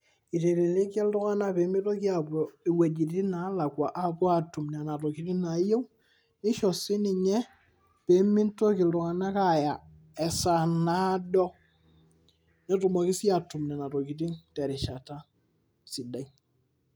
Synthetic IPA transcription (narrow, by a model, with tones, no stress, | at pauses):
i˨te˨ɾe˨le˦ka˦ldʊ˦ŋa˦na˦pe˨˦mi˦tɔ˦ki˦a˨bɔ˨i˨wa˨d͡ʒi˨ti˦na˨˦la˨kwa˨ʔa˨pɔ˦a˨tu˨mn˨a˨na˨tɔ˨ki˨ti˦na˨˦je˦w | nɪ˦ʃɔ˨sɪ˦nɪ˨ɲɛ˦ | pe˨˦mi˦ntɔ˦kɪ˨ldʊ˨ŋa˨na˦ka˨ja˨ | ɛ˨sa˨na˦dɔ˦ | ɲɛ˦tu˨mɔ˨kɪ˦si˦a˨tu˨mna˨na˨tɔ˨ki˨t̬i˦ŋtɛ˨ɾɪ˨ʃa˨ta˦ | sɪ˨da˨i